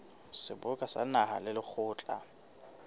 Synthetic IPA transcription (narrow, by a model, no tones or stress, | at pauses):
sɪbʊkʼasa̰naha̰lɪlɪk͡xʰʊːt͡ɬʼa̰